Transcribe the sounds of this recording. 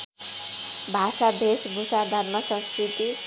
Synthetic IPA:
bʱasad̪esbʱusad̪ʱʌrmʌsʌ̃nskɾit̪i

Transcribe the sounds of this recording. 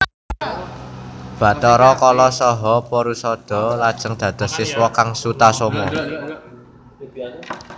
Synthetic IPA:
b̥ä̤t̪ɔɾɔkɔlɔsɔɦɔpɔɾusɔd̪̥ɔ̤lad̥ʒ̥ə̤ŋd̪̥ä̤d̪̥ə̤ssiswɔkaŋsut̪asomɔ

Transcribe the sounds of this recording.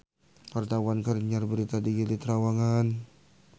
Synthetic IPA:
part̪awankəɾɲarbəɾit̪adiɡilit̪ɾawaŋan

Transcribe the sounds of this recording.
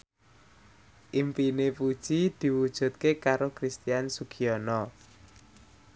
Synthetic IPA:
ʔimpinepud̥ʒ̥id̪̥i̤wud̥ʒ̥ṳt̪̚kekaɾokɾist̪ijansuɡ̥iɔnɔ

